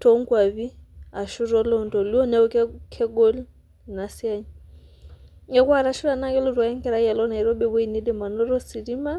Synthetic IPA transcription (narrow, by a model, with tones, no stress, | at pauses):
tʰɔ˨˦ŋkwa˨βi˦a˨ʃu˦ɾɔ˦lɔ˦ntɔ˨li˦ɔ˦nɛ˦u˦kkʰɛ˦ɡɔ˦l | na˨si˦a˦ɲi | ŋɛ˦ku˦a˦˨ɾa˨ʃu˦ɾa˨na˦kɛ˦lɔ˦twa˨ɛ˦ŋkɛ˦ɾa˦i˦a˨lɔ˦na˨i˨ɾɔ˦bɛ˦βinɛ˦dɛ˦ma˨nɔ˦ɾɔ˦si˨ɾi˦ma˦